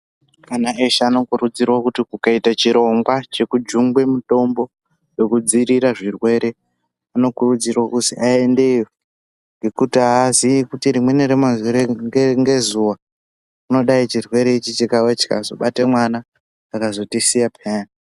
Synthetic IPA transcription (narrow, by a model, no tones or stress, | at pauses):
kanaeʃaːno̞kurud͡zirwakutikukaitat͡ʃiɾo̞ŋɡwat͡ʃe̞kud͡ʒuŋɡwe̞muto̞mbo̞ | je̞kud͡ziɾiɾaʐirwe̞ɾe̞ | ano̞kurud͡zirwakuzḭʔaende̞ijo | ŋɡe̞kutiaːziikutiɾimwe̞neɾemazuɾeŋŋɡe̞zuwa | uno̞ɗait͡ʃirwe̞ɾe̞it͡ʃit͡ʃikawet͡ʃi̥ka̰zo̞ɓatemwanaː | kazo̞tisijapʰeːna